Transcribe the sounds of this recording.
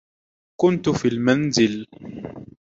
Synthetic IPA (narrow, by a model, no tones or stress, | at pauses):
kʊnt̪fiːlmanzɪl